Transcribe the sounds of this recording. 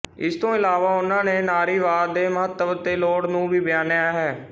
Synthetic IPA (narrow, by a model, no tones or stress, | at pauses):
ɪst̪õːɪlaːʋaːʊnãːneːnaːɾiːʋaːd̪eːməɦət̪ːəbt̪eːloːɽnũːbʱiːbɪjaːnjaːɦɛː